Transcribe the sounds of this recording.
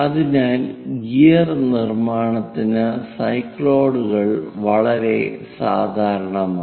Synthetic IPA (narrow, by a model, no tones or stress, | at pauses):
ɐðinaːlɡijɐrnirmaːɳɐt̪ːinɨsɐjkːɭoːɽuɣɐɭʋɐɭɐɾe̞sa̰ːd̪ʱaːɾɐɳɐmaː